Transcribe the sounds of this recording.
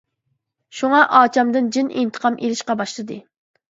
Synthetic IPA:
ʃuŋɑʔɑːt͡ʃʰɑmd̪ɨnd͡ʒinʔḭnt̪ʰə̥qʰɑmʔelɪʃqɑbɑʃlˠɨd̪ɨ

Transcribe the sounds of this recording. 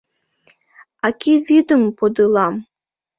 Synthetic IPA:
akʲivid̪əmpod̪ɨlˠɑm

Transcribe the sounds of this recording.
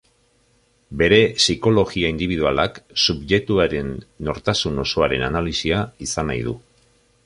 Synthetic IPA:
be̞ɾe̞siko̞lo̞ɣiaind̪iβ̞iðualaksubʝe̞t̪uaɾe̞nːo̞ɾt̪asuno̞so̞aɾe̞nanalisiaisanajðu

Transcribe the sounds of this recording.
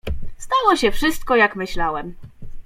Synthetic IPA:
st̪awɔɕɛfʂɘst̪̚kɔjakmɘɕlawɛm

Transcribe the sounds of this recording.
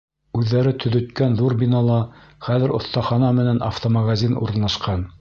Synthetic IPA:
ʉðːæɾɘt̪ʰɵ̆ðɵ̆t̪kænðuɾbʲinɑlˠɑ | χæðɘ̆ɾŏ̰θt̪ɑχɑnɑmɘ̆næna̰ft̪omaɡazʲinṵɾɤ̆nlˠɑʃqɑn

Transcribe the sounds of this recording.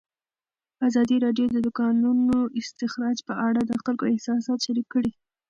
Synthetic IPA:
azɑd̪iɾɑɖjod̪əd̪ʊkɑnunoʔɪst̪ɪxɾɑd͡ʒpəʔaɽad̪əxalkoɪhsɑsɑt̪ʃaɾikːəɽi

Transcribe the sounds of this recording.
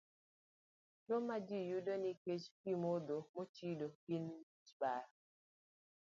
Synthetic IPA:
tomad͡ʒijudoniket͡ʃkimod̪omot͡ʃidokin | t͡ʃbaɾ

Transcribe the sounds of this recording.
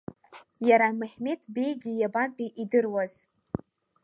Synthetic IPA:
jaɾamɨħme̞tʰʼbe̞jɡʲijabanpʼiʔidɨrwaz̥

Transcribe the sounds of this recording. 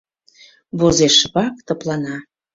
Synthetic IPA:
βozeʃβɑk̚t̪əplɑnɑ

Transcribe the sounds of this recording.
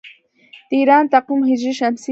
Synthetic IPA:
t̪ɪɾant̪aqʊmhɪʒɪʃamsɪ

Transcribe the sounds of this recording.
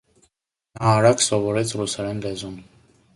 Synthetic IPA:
nɑːɾɑksɔvɔɾɛt͡sʰrusɛɾɛnlɛzun

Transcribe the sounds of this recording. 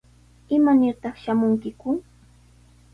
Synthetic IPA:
ɪmanɪɾt̪ɑχʃamʊŋkɪkʊ

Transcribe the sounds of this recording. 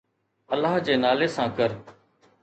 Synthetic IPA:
əlːaːɦd͡ʒeːnaːleːsãːkəɾ

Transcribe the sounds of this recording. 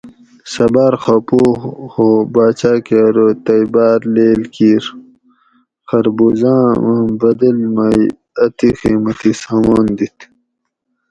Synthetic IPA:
sɐbaːɾxɐpoːhoːbaːt͡ɕaːkeɾot̪ɐjbaːɾleːlkiːɾ | xɐɾbuzãːbɐd̪ɐlmaj | ɐt̪ixiːmɐt̪isaːmoːnd̪it̪ʰ

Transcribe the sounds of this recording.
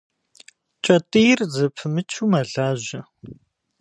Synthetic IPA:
t͡ʃʼɐtʼijrzɐpʰɨmɨt͡ʃʰuːmɐɮaːʑɪ

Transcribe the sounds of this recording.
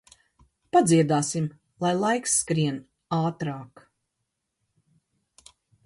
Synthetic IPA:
pad̪ziɛd̪aːsim | lˠajlˠajksːkɾiɛn | aːt̪ɾaːk

